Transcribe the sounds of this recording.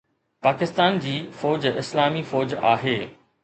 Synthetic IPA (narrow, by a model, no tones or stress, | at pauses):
paːkɪst̪aːnd͡ʑiːfɔːd͡ʑɪslaːmifɔːd͡ʑaːɦeː